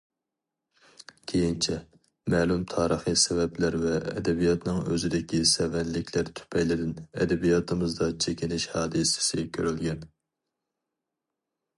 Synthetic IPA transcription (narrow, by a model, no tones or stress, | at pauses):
kʲʰejint͡ʃʰɛ | mɛːlˠymt̪ʰɑːɾəχɨsɛvɛplæɾvɛ̰ːd̪ɛbijɑt̪nɨŋø̰zɪd̪ɪkʲisɛvɛnlɪkʲʰlæɾt̪ʰy̥pʰɛjlɪd̪ɪnɛ̰d̪ɛbijɑt̪ʰɨmɨzd̪ɑt͡ʃʰekʲinɪʃhɑːd̪ɨsɪ̥sɪkʲʰøɾylɡʲɛn